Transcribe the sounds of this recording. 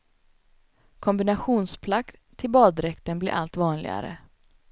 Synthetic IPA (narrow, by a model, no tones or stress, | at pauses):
kʰɔmbɪnaɧuːnspʰlakt̪ʰːɪlbɑːd̪ɾɛkt̪ənblɪ̰ɾʔa̰lt̪vɑːnlɪ̰ɡa̰ɾə̰